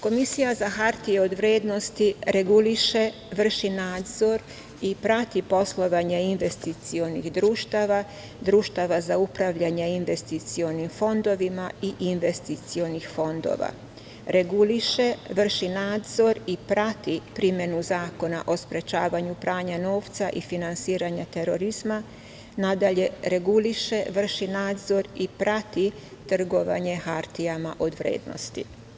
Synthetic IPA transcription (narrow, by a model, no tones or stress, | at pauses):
ko̞misijazaxaɾt̪ieo̞d̪ʋɾjeːd̪nost̪iɾe̞ɡuliʃe | ʋr̩ʃinaːd̪zo̞ɾ | ipɾat̪ipo̞slˠo̞ʋaɲeinʋe̞st̪it̪sio̞nixd̪ɾuːʃt̪aʋa | d̪ɾuːʃt̪aʋazaupɾaʋʎaɲeinʋe̞st̪it̪sio̞nimfo̞nd̪o̞ʋimaiʔinʋe̞st̪it̪sio̞nixfo̞nd̪o̰ːʋa̰ | ɾe̞ɡuliʃeʋr̩ʃinaːd̪zo̞ɾipɾat̪ipɾimje̞nuzaːko̞naʔo̞spɾe̞t͡ʃaːʋaɲupɾaːɲano̞ːʋt̪saʔifinansiːɾaɲat̪e̞ɾo̞ɾizma | nad̪aʎe̞ɾe̞ɡuliʃe̞ʋr̩ʃinaːd̪zo̞ɾipɾat̪i | t̪r̩ɡo̞ʋa̰ɲe̞xaɾt̪ijamaʔo̞d̪ʋɾḛːd̪no̰st̪ḭ